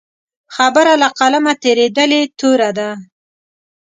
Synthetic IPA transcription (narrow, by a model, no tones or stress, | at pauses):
xabaɾalaqalamat̪eɾed̪əlet̪oɾad̪a